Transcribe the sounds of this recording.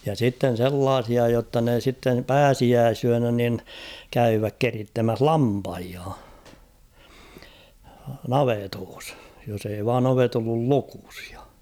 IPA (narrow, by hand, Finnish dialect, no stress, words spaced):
jɑ sitːen̞ selːɑːsiɑ jotːɑ ne sitːem pæːsiæːsyænæ nin kæyːʋæk keritːemæh lɑmpɑhiɑ nɑʋetoːs jos ei ʋɑːn oʋet olːul luku̥s j̊ɑ̥